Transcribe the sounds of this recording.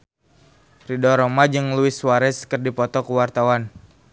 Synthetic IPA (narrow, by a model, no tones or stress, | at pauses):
ridɔɾɔmad͡ʒɨŋluɪswaɾɛskɨrdipɔt̪ɔkəwart̪awan